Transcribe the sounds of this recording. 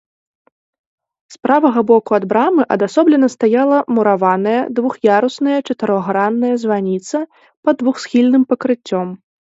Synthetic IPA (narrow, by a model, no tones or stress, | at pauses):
spɾavɐɣɐbɔkuad̪bɾamɨʔɐ̰d̪asɔblʲɛnːɐst̪ajalˠɐmuɾavanɐjɛ̰d̪vuxjaɾusnɐjɐt͡ʂɐt̪ɨɾɔɣɾanːɐjɐzvanʲit̪sɐ | pɐd̪vuxsxʲilʲnɨmpɐkɾɨt͡sʲːɔm